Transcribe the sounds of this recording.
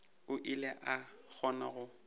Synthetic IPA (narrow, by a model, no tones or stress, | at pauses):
ʊʔilɛʔak͡xʰɔna̰ɣʊ